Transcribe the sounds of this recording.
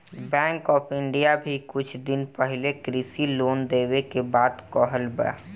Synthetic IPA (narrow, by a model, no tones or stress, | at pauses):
bɛ̃ːŋkɔːpʰɪɳɖijabʱikʊt͡ʃʰd̪ɪnpəɦɪlekɾisiloːnd̪eːwekebaːd̪kɔɦəlbə̰a̰